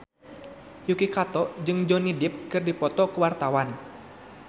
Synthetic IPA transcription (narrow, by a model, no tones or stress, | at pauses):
jukikat̪ɔd͡ʒɨŋd͡ʒɔnidɪp̚kɨrdipɔt̪ɔkəwart̪awan